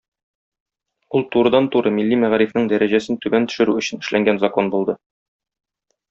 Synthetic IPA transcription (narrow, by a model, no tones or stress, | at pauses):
ulˠt̪uɾɤ̆d̪ɑnt̪uɾɤmilːimæʁɾifnɘŋd̪æɾæʑæsɘnt̪ʉbænt̪ɵ̥̆ʃɘ̆ɾʉɵ̆ɕɘ̆nɘ̆ʃlæŋɡænzɐko̞nbulˠd̪ɤ